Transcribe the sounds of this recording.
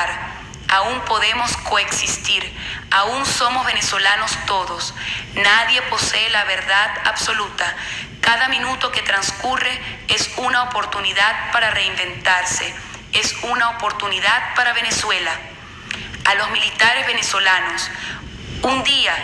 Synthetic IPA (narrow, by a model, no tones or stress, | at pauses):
ɾ | auŋpo̞ðemo̞sko̞eksist̪iɾaunsomozβe̞neso̞lano̞st̪o̞ðosnaðje̞po̞seːlaβe̞ɾðaða̰βso̞lut̪akaðamĩnut̪o̞ke̞t̪ɾanskure̞esunaopo̞ɾt̪uniðaðpaɾare̞imbe̞nt̪aɾse | esunaopoɾt̪uniðað̚paɾaβ̞eneswe̞la | alo̞zmilit̪aɾezβeneso̞lanos | und̪ia